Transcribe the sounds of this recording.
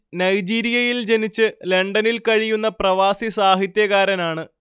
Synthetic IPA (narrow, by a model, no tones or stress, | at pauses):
nɐjd͡ʑiːɾijɐjild͡ʑe̞nit͡ɕːɨleɳɖɐnilkɐɻijunːɐprɐʋaːsisaːɦit̪jɐɣaːɾɐnaːɳɨ